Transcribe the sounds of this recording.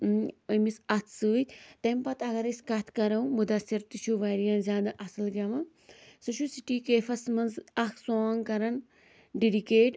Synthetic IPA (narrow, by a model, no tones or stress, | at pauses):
ɐmisɐt̪ʰsɨːt̪ʲt̪ɐmpɐt̪ʰɐɡɐɾɐsʲkɐt̪ʰkɐɾɐw̃mud̪ɐsiɾt̪iʃʰuʋaːɾijɐ̃nzʲjaːd̪aʔɐsɐlɡɐmɐ | sɨʃusiʈiːkeːfɐsmɐnzɐksoːŋkɐɾɐn | ɖiɖikeːʈ